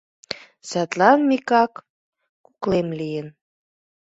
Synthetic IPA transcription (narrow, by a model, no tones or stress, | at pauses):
sæt̪lɑnmikɑkː | uklemlijən